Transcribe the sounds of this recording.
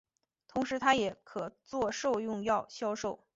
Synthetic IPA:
t̪ʰʊ˧˥ŋʂɻ̩˧˥t̪ʰa˥jɛ˨˩˦kʰɤ˨˩t͡swɔ˥˧ʂo˥˧ʊjʊ˥˧ŋjɑ˥˩ʊɕjɑ˥ʊʂo˥˩ʊ

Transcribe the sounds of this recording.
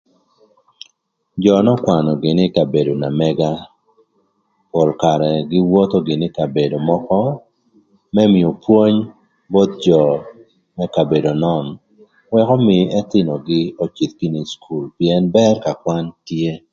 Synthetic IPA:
d͡ʒɔ˨nɔ˦kwa˨nɔ˨ɡɪ˨nɪ˦ka˨be˨do˨na˨mɛɡa˦ | po˨lka˨ɾɛ˨ɡɪ˦wɔ˦t̪o˦ɡɪ˨nɪ˦ka˨be˨do˨mɔ˦kɔ˦ | mɛ˦mɪ˨o˨pwo˦ɲ | bo˦t̪̚d͡ʒɔ˨ | mɛ˦ka˨be˨do˨nɔ˦n | wɛ˦kɔ˦mɪ˨ɛ˦t̪ɪ˦nɔ˨ɡɪ˦o˨t͡ʃi˨t̪̚ki˦ni˨skʰu˨lpjɛ˦nbɛ˦rka˨kwa˦ntje˦

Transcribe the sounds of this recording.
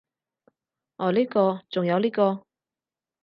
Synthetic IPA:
ɔː˨˩liː˥kɔː˧t͡sʊ˨ŋjɐ˨˧wliː˥kɔː˧

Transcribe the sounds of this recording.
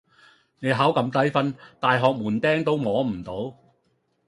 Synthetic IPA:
ne˨˧jɦaː˨˥wkɐ˨mt̪ɐ˨˥jfɐ˥nt̪aː˨jɦɔː˨k̚muː˨˩nt̪ɛː˥ŋt̪o˥wmɔː˨˧˥m̩˨˩t̪o˨˥w

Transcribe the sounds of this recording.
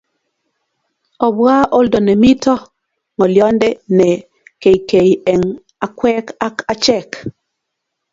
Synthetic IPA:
ɔ˨bwa˦ʔo˦ldɔ˨nɛ˨mi˦tɔ˦ | ŋɔ˨ljɔ˦ndɛ˦nɛ˨ | ke˨jke˨jɛ˨ŋ | a˨kwɛ˦ka˦ka˦t͡ʃɛ˦k

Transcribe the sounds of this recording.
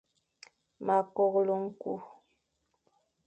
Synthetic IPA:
ma˨kɔ˨ɣlo˦ŋ̩˦ku˦

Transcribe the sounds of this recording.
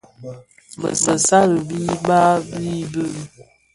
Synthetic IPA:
mə̰˨mə˨sa˦ɾə˨bi˦ba˦bi˦bə˦˨˦

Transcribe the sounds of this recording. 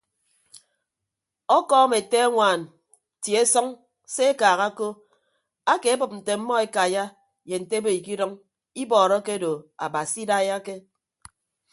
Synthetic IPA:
ɔ˦kɔː˦me˨te˦ŋʷaː˨n | ti˨e˦sɔ˦ŋ | se˦e˦kaː˨ɣa˦ko˦ | a˦ke˨a˦bɨ˨p̚n̩˨te˨m̩˦mɔ˦e˦ka˨ja˦ | je˨n̩˨te˦be˦i˨ki˦dɔ˦ŋ | i˦bɔː˨ɾɔ˦ke˦do˨a˨ba˨si˦da˦ja˦ke˦

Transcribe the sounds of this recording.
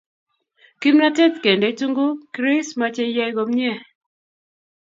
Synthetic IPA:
ki˦mna˦tɛ˦t̪ke˨nde˨˦tu˦ŋɡo˦kɾɪ˦sma˨˦t͡ʃe˦jɛ˦ɡo˨mɲɛ˦˨

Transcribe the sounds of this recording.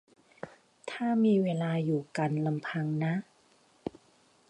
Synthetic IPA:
t̪ʰaː˥˩miː˧weː˧laː˧juː˨˩ka˧nla˧mpʰa˧ŋna˦˥ʔ

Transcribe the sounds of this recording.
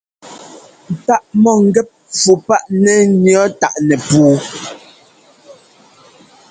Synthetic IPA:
n̩˨ta˦ʔmɔ˦˨ŋ̩˦ɡɛ˦p̚fu˨pa˦ʔnɛ˦˨njɔ˦ta˦˨ʔnɛ˨puː˨

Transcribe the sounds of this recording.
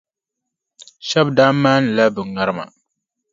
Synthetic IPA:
ʃɛ˦bdaː˦maː˦nɨ˨la˦bɨ˨ŋa˦ɾɨ˦ma̰˨

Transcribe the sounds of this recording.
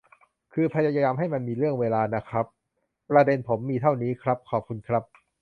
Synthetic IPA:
kʰɯː˧pʰa˧jaː˧jaː˧jaː˧mɦa˥˩jma˧nmiː˧ɾɯ˥˩əŋweː˧laː˧na˦˥kʰɾa˦˥p̚ː | ɾa˧de˧npʰo˩˦mːiː˧t̪ʰa˥˩wniː˦˥kʰɾa˦˥p̚kʰɔː˨˩p̚kʰu˧nkʰɾa˦˥p̚

